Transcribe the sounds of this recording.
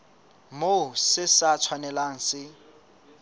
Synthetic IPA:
mosɪsat͡sʰwanɛlaŋ̩sɪ

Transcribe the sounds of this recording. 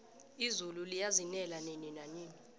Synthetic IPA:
izululijazinɛlaneninaɲiːni

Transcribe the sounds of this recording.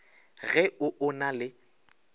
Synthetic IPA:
ɣɛʊʔʊnalɪ

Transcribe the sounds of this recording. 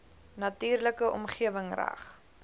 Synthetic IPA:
nɐtyːrləkəʔɔ̰mχiəvəŋræ̰χ

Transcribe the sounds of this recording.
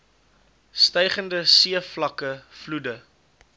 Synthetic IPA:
stɛjχəndəsiəflɐkəfludə

